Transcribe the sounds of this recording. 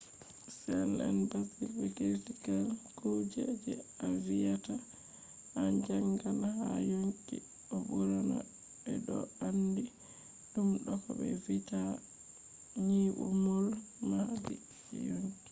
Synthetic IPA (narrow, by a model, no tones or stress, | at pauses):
sɛna̰nbasifiketikalkud͡ʒɛd͡ʒɛavijata | and͡ʒaŋɡanhajoŋkḭ | ɔbuɾɔna̰ | ɓɛɗɔ̰andi | ɗumɗɔkɔbɛ̰vita | ɲiʔṵmɔl | mahadi | ɛjoŋki̥